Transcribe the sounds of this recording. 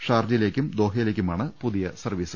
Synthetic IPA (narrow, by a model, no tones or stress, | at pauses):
ʂaːrd͡ʑɐjile̞ːkʲːumd̪o̞ːɦɐjileːkʲːumaːɳɨpuðijɐsɐrʋiːsɨ